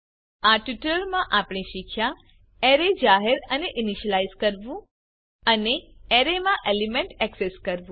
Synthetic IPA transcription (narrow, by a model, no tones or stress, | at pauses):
aʈʋiʈələɾmãʔapɽ̃iʃikʃja | eɾed͡ʒaɦeɾəneʔiniʃəlaizkəɾʋũ | əneeɾemãʔelimẽɳʈɛkseskəɾʋũ